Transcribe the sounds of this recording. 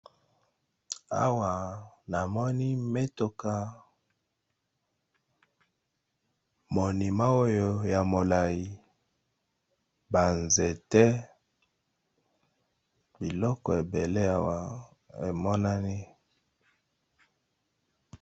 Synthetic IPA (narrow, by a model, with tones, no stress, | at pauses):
a̰˦wa˨na˨mɔ˦ni˦me˦to˨ka˦ | mo˨ni˨ma˦o˦jo˦ja˨mo˨la˨i˨ | ba˨nze˨tɛ˦ | bi˨lɔ˦kɔ˨e˨be˨le˦a˦wa˨ | ḛ˨mɔ˦na˦ni˦